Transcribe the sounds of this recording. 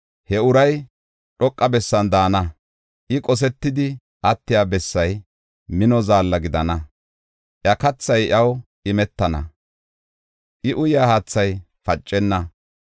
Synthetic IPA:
hɛʊɾɐj | ɗɔkʼːɐbɛsːɐnd̪aːnɐ | ʔɪkʼɔs̬ɛt̪ːɪd̪ɪ | ʔɐt̪ːɪjaːbɛsːɐj | mɪnɔzaːlːɐɡɪd̪ɐnɐ | ʔjɐkɐt͡sːɐjʔɐwʔɪmɛt̪ːɐnɐ̰ | ʔɪʔʊjjaːhaːt͡sːɐj | fɐt͡ʃʼːɛnːɐ

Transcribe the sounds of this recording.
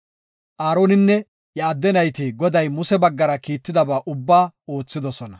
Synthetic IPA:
ʔaːɾo̞ːnɪnːɛ | jaːd̪ːɛnɐjt̪ɪɡɔd̪ɐjmʊsɛbɐɡːɐɾɐkiːt̪ːɪd̪ɐbaːʔʊbːaːo̞ːt͡sːɪd̪ɔsɔnɐ

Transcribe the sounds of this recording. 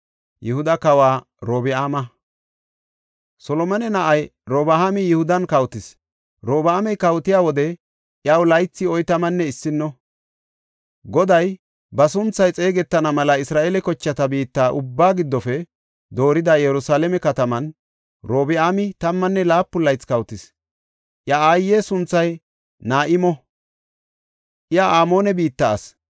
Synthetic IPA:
jɪhʊd̪ɐkɐwaː | ɾoːbɪaːmɐ | sɔlɔmɐnɛnɐʔɐjɾoːbɐhamɪjɪhʊd̪ɐnkɐwt̪ɪs | ɾoːbaːmɛjkɐwt̪ɪjaːwɔd̪ɛ | ʔjawlɐjt͡sːɪɔjt̪ɐmɐnːɛɪsːɪnːɔ | ɡɔd̪ɐj | bɐs̬ʊnt͡sːɐjt͡sʼe̞ːɡɛt̪ːɐnɐmɐlɐɪsɾaːʔelɛkɔt͡ʃːɐt̪ɐbiːt̪ːaːʔʊbːaːɡɪd̪ːɔfɛ | d̪o̞ːɾɪd̪ajɛɾʊsaːlɛmɛkɐt̪ɐmɐn | ɾo̞ːbɪamɪt̪ɐmːɐnːɛlaːpːʊlɐjt͡skɐwt̪ɪs | ʔjɐaːjːeːsʊnt͡sːɐj | naːʔɪmɔ | ʔɪjaʔaːmo̞ːnɛbiːt̪ːɐ̰ːs

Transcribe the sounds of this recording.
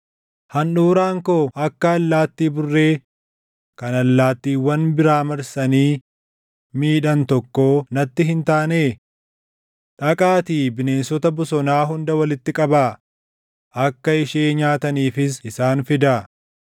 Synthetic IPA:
hɐnɗuːɾaːŋkoːʔɐkːɐːlːaːt̪ːiːbʊrːe̞ː | kɐnɐlːaːt̪ːiːwːɐnbɪɾaːmɐɾsɐniː | miːᶑɐnt̪ɔkːoːnɐt̪ːɪɦɪnt̪aːne̞ː | ᶑɐkʼaːt̪iːbɪne̞ːnsɔt̪ɐbʊsɔnaːɦʊnd̪ɐwɐlɪt̪ːɪkʼɐba | ʔɐkːɐɪʃeːɲaːt̪ɐniːfɪsɪsaːnfɪd̪ɐ

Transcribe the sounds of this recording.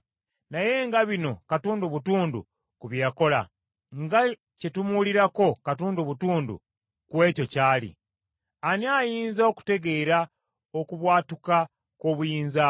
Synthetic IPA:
naje̞ŋɡaβino̞katuːnduβutuːndṵ | kuβjako̞la̰ | ŋɡa | ce̞tumuliɾako̞katuːnduβutuːndṵ | kwe̞ːco̞caːlḭ | aniaːjiːnzo̞ku̥te̞ɡe̞ːɾa | o̞kuβwaːtuka | ko̞βujiːnza

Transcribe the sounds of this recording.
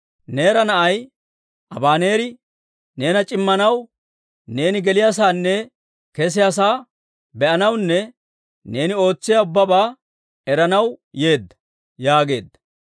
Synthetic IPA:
ne̞ːɾɐnɐʔɐj | ʔɐbaːne̞ːɾɪ | ne̞ːnɐt͡ʃʼɪmːɐnɐw | ne̞ːnɪɡɛlɪjaːs̬aːnːɛ | kɛs̬ɪjasaː | bɛʔɐnɐwnːɛ | ne̞ːnɪo̞ːt͡sːɪjaʊbːɐbaː | ɛɾɐnɐwje̞ːd̪ːɐ̥ | jaːɡe̞̰ːd̪ːɐ̥

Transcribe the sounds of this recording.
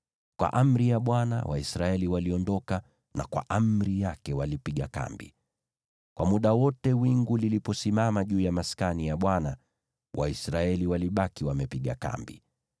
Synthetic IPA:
kwa̰ʔam̩ɾijaɓwana̰wa̰isɾaɛliwaliɔndɔka | na̰kwa̰ʔam̩ɾijakɛwalipiɠaka̰mbḭ | kwamuɗawɔtɛwiŋɡulilipɔsimamaʄuːjamaskanijaɓwana | wʔa̰isɾaɛliwaliɓakiwamɛpiɠaka̰mbḭ

